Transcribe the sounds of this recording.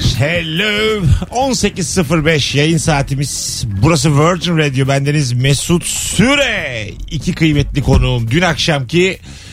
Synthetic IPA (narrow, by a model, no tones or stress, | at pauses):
helʲøonse̞ciz̥sɯfɯɾbɛʃjajɯnsaːt̪ʰimiz̥ | buɾas̬ɯvøɾd͡ʒinɾed̪ijo̞bænd̪enizmɛsut̪syɾɛicʰikʰɯjmɛt̪lʲikʰo̞nuːmd̪ynakʃamcʰi